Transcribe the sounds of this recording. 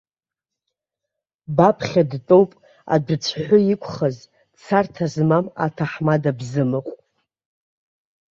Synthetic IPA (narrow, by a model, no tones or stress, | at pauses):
bapʰχʲadtʼowpʼ | a̰dʷt͡sʷʰħʷᶣʊikʷʰʼχəz | t͡sʰartʰazmama̰tʰaħmadabzɨmɨqʷʼ